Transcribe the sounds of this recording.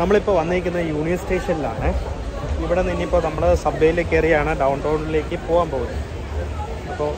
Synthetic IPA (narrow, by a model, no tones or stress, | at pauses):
nɐmːɐɭipːo̞ːʋɐnːiɾik̬ʲːunːɐjuːɳijɐnsʈe̞ːʂɐnila̰ːɳɨ | iʋiɽe̞ninːeipːoːnɐmːɐɭsɐbːejile̞ːkʲːɐrijaːɳɨɖɐwɳloːɖile̞ːkʲːɨpo̞ːɣaːmpoːɣunːɐ | ɐpːoː